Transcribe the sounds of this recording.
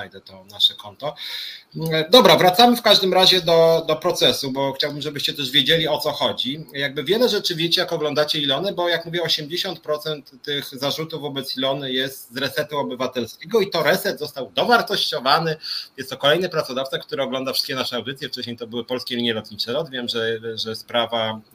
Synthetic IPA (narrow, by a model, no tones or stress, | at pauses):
ajd̪ɛt̪ɔnaʂɛkɔnt̪ɔ | d̪ɔbɾavɾat̪samɘfkaʐd̪ɘmɾaʑɛd̪ɔd̪ɔpɾɔt̪sɛsubɔxt͡ɕawbɘmʐɛbɘɕt͡ɕɛt̪ɛʐvʲjɛd͡ʑelʲiɔt̪sɔxɔd͡ʑijaɡ̚bɘvʲjɛlɛʐɛt͡ʂɘvʲjɛt͡ɕɛjakɔɡlɔnd̪at͡ɕɛilɔnɛbɔjakmuvʲjɛɔɕɛmd͡ʑeɕɔnt̪̚pɾɔt̪sɛnt̪ːɘxzaʐut̪uvɔbɛt̪silɔnɘjɛst̪zɾɛt̪sɛt̪uɔbɘvat̪ɛlskʲeɡɔit̪ɔɾɛt̪sɛd̪zɔst̪awd̪ɔvaɾt̪ɔɕt͡ɕɔvanɘjɛst̪ːɔkɔlɛjnɘpɾat̪sɔd̪aft̪sak̚t̪uɾɛɔɡlɔnd̪afʂɘ̥t̪kʲɛnaʂɛawd̪ɘt̪sʲjɛft͡ʂɛɕɲejt̪ɔbɘwɘpɔlskʲelʲiɲjɛlɔt̪ɲit͡ʂɛɾɔd̪vʲjɛmʐɛʐɛspɾava